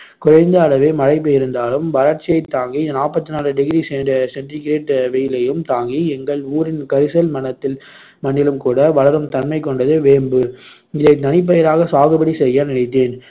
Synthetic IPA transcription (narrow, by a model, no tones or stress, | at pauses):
kʊɾɐɪnd̪ɐːɭɐʋeːmɐɻɐɪp̬ːɯjɪɾɯnd̪aːlɯmʋɐlɐɾt͡ʃːɪjɐɪt̪ːaːŋɡinaːpːɐt̪ːɯnaːlɯɖɪɣɪɾisɛndɐsɛnʈɪɡɪɾeːʈʋɛjɪlɐjɯmt̪aːŋɡiɛŋɡɐɭuːɾɪnkɐɾɪsɐlmɐnɐt̪ːɪl | mɐɳːɪlɯmkuːɽɐʋɐɭɐɾɯmt̪ɐnmɐɪkːɔɳɖɐðɯʋeːmbɯ | ɪðɐɪt̪ːɐnɪp̬ːɐjɐɾaːɣɐsaːɣɯbɐɽisɛjːɐnɪnɐɪt̪̬ːeːn